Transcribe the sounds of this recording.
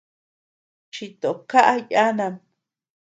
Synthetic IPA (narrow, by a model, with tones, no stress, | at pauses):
t͡ʃi˧t̪o˨ka˦ʔa˦ja˦na˨m